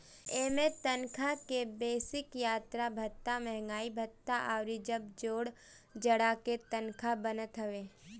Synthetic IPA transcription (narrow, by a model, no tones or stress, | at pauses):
eːmẽt̪ənkʰakebeːsɪkjaːt̪ɾabʱɐt̪ːamɛɦŋɡaːibʱət̪ːaʔaːɾid͡ʒəb̚d͡ʒoːɽ | d͡ʒəɽaket̪ənkʰabənət̪ɦəʋeː